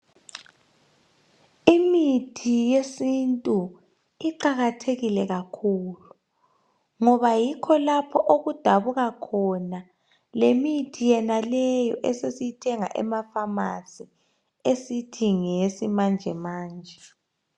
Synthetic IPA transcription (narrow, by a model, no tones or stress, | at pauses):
imitʰijesintʼu | iǃaɣatʰeɣilɛɣakʰuːlu | ŋɔβajikʰɔlapʰɔʔoɣud̥ʱaβuɣakʰɔna | lemitʰijɛnalɛjɔ̰ʔɛsesijitʰɛŋa̰ʔɛ̰mafamasi | esitʰiŋesimand͡ʒʱɛmaːnd͡ʒʱɛ